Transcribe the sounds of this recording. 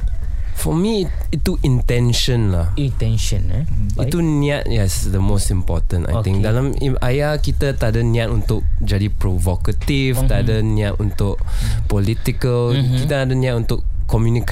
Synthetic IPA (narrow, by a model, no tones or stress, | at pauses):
fɔmit | it̪ːuʔint̪ɛ̃nʃə̃nlahit̪ɛ̃nʃə̃nit̪unĩat̚jɛsd̪əmostimpɔ̰t̪ə̃nta̰j̪ɪ̃ŋkdalamiajakit̪at̪adaniat̪unt̪ʊk̚d͡ʒadipɾovokət̪ift̪aadəniat̪unt̪ʊk̚pɔlit̪ikəlkit̪aadanĩat̚unt̪ʊkː | ɔmjunik